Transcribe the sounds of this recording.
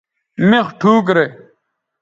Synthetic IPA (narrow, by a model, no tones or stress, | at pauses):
mexʈʰuːk̬ɾe